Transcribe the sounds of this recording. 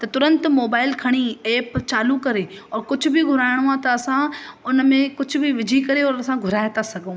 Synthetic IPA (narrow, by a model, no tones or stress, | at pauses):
t̪ɐt̪ʊɾə̃nt̪moːbaːɪlkʰɐɽ̃ieːpt͡ɕaːlukɐɾeɔːɾkʊd͡ʑʱʊ̆bʱiɡʱʊɾaːɪɽ̃ʊãt̪ɐːsãʊnmẽkʊd͡ʑʱʊbʱɪʋɪd͡ʑʱikɐɾeɔːɾɐsãɡʱʊɾaːjɪt̪asɐɡʱõː